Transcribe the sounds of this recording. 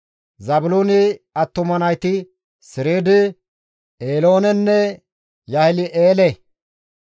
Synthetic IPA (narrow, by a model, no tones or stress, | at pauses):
zɐbʊloːnɪɐt̪ːʊmɐnɐjt̪ɪ | sɪɾeːd̪ɪ | eːlo̞ːnɛnːɛ | jɐhɪlɪʔeːlɛ